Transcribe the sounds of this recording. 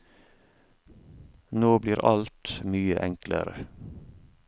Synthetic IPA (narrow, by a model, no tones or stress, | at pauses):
noːbliːɾʔɑlt̪myːəʔɛŋklə̰ɾə